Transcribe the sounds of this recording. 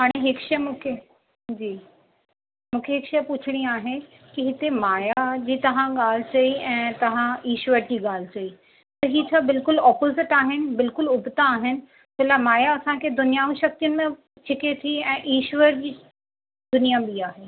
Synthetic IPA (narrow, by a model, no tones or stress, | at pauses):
ɦaːɽ̃eɦɪkʃɐmũːkʰe | d͡ʑiː | mũːkʰeɦɪkʃɐpʊt͡ɕʰɪɽ̃iaːɦe | kiɦɪt̪emaːjad͡ʑiːt̪ɐʋ̤ãɠaːl̤ɪt͡ɕɐiɛ̃ːt̪ɐʋ̤ãiːʃʋəɾd͡ʑiːɠaːl̤ɪt͡ɕɐi | t̪ɐɦiːt͡ɕʰabɪlkʊlɔːpozɪʈaːɦɪnɪ̆bɪlkʊlʊbʱt̪aːɦɪnɪ̆ | telamaːjaɐsãkʰed̪ʊnijaːʋũʃɐk̚t̪ijʊnɪ̆mẽ | t͡ɕʰɪket̪ʰiɛ̃ːʔiːʃʋəɾd͡ʑiː | d̪ʊnijabiaːɦeː